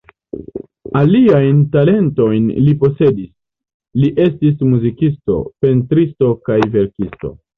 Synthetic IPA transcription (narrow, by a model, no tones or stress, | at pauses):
aliajntale̞nto̞jnlipo̞se̞dis | liʔe̞stismuzikisto̞̰pe̞ntɾisto̞kajve̞ɾkisto̞̰